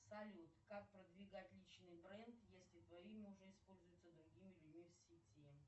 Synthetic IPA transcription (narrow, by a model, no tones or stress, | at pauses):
sɐlʲut̪kak̚pɾəd̪vʲɪɡatʲlʲit͡ɕnɨjbɾɛnt̪jesʲlʲɪt̪vɐimʲɪʊʐɛɪspo̞lʲzʊjɪt̪səd̪ɾʊɡʲimʲɪlʲʊdʲmʲifsʲitʲʰi